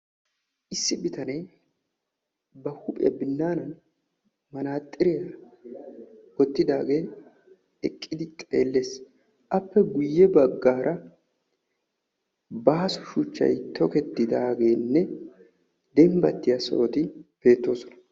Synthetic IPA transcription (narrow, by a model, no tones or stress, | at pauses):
ʔɪsːɪbɪt̪ɐnej | bɐhʊpʼɪ̰jɐ̰bɪnːaːnɐn | mɐnaːt̪ʼːɪɾɪjɐ | ɡɔt̪ːɪd̪aːɡe̞ː | ɛkʼːɪd̪ɪt̪ʼe̞ːlːe̞ːs | ʔɐpːɛɡʊjːɛbɐɡːaːɾɐ | baːsʊ̥ʃʊt͡ʃːɐ̰jt̪ʰɔkɛt̪ːɪd̪aːɡe̞ːnːɛ | d̪ɛmbɐt̪ːɪjɐso̰ːt̪ɪb̥e̞ːt̪ːo̞ːsɔnɐ̥